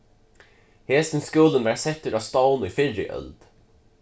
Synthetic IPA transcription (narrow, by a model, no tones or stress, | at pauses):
heːst̪n̩skʉːlənʋæːɾsɛt̪ʉɾɑst̪ɑʊniːfɪɹɪ̰ʔœ̰ld̪̥